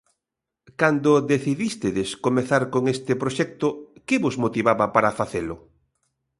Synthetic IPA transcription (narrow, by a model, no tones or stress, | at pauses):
kand̪ʊðeθiðist̪eðeskomeθaɾkoŋest̪ɪpɾoʃɛk̚t̪ʊkɪβozmot̪iβaβɐpaɾafaθelʊ